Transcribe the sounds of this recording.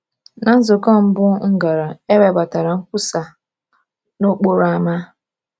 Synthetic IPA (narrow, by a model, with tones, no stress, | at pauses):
na˨n̩˦zʊ˨kɔ˦m̩˦bʊ˦ŋ̩˦ɡa˨ɾa˨e˦we˨ba˨ta˨ɾa˨ŋ̩˦kʷu˦sa˨ | no˦k͡po˦ɾa˦ma˦